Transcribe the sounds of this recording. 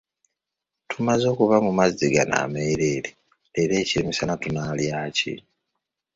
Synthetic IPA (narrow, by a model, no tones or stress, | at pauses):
tʰumazo̞ːkuβamumaziɡana̰ːmeɾeɾi | eɾe̞ːciɾimisanatunaːljaːcḭ